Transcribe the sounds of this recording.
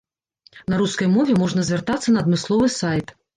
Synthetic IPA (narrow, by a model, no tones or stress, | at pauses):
nɐɾuskɐjmɔvʲɛmɔʐnɐzʲvʲɛrt̪at̪sːɐnɐːd̪mɨslˠɔvɨsajt̪